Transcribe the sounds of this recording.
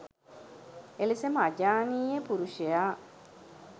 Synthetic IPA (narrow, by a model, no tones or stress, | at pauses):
elisemad͡ʒaːniːepuɾuʃeja